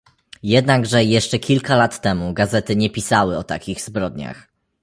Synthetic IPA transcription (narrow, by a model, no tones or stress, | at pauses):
jɛd̪naɡʐɛjɛʂt͡ʂɛkʲilkalat̪ːɛmuɡazɛt̪ɘɲɛpʲisawɘɔt̪a̰kʲiɣzbɾɔd̪ɲa̰x